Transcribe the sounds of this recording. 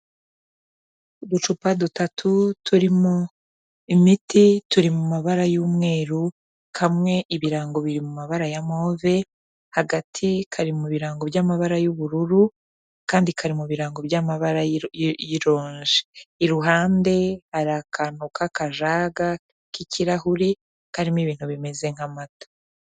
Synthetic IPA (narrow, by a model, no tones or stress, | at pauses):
dut͡ʃupadutatʰutʰuɾimo | imitituɾimumaβaɾajuːmŋe̞ːɾu | hamŋe̞ʔiβiɾaːŋɡo̞βiɾimumaβaɾajamoːve̞ | haɡatʰikʰaɾimuβiɾaːŋɡo̞bjamaβaɾajuβuɾuɾu | kaːndikʰaɾimuβiɾaːŋɡo̞bjamaβaɾajiɾo̞ːɲʒeiɾuɦaːnde̞aɾakanukakaʒaːɡa | kiciɾahuɾi | kaɾimiβiːn̥huβime̞ze̞ŋ̥hamatḁ